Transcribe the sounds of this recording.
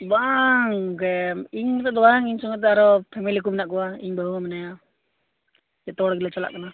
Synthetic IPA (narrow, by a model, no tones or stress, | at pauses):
baŋkɛiɲmɛt̪ɛd̪ɔwaŋiɲsɔŋɡat̪̬ːɛaɾɔpʰɛmilik̬umɛnaʔkɔwaiɲbʱaɦuŋamɛnaja | d͡ʒɛt̪ɔɽɡilat͡ʃala̰ʔkana